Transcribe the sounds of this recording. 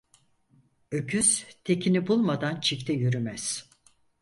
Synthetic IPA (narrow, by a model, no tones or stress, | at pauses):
ø̞cʰyz̥t̪ʰe̞cʰinibulˠmad̪ant͡ʃʰict̪ʰɛjyɾymæz̥